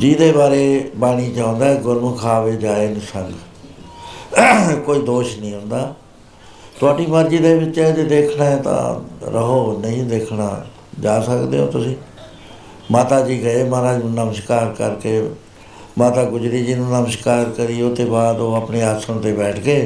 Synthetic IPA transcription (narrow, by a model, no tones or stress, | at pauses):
d͡ʒiːd̪eːbaːɾeːbaːɽ̃iːt͡ʃãːnd̪aːɛɡʊɾmkʰaːʋeːd͡ʒaːeːnsəŋɡ | koːiːd̪oːʃnĩːɦʊ̃nd̪aː | t̪ʊaːɖiːməɾd͡ʒiːd̪eːʋɪt͡ʃːɛːd͡ʒeːd̪eːkʰnaːɛːt̪ã̰ːɾə̰ɦoːnəĩd̪eːkʰna̰ː | d͡ʒaːsəkd̪eːõ̰ːt̪ʊsĩː | maːt̪aːd͡ʒiːɡəeːmaːɾaːnũːnəməʃkaːɾkəɾkeː | maːt̪aːɡʊd͡ʒɾiːd͡ʒiːnũːnəməʃkaːɾkəɾiːoːt̪eːbaːd̪oːaːpɳeːaːsəɳt̪eːbɛːʈʰkeː